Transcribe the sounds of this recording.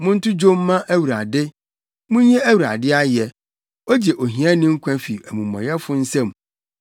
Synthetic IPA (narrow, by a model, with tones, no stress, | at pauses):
mʊ̃˦n̩˦tʰʊ˦d͡ʑo˦mː˦ã˦ʔæ˦wu˨ɾa˨dɪ˦ | mʊ̃˦ɲɛ̃˦æ˦wu˨ɾa̰˨dɪ˦a˦jɛ˨ | o˦d͡ʑɛ˨ʔo˨ɦĩ˨˦ã˦nɪ̃˦ŋ̩˦kʷʰã˦fi˨æ˨mũ˨mɔ̰̃˨jɛ˦fʊ˦n̩˦sɛ̃˦m˨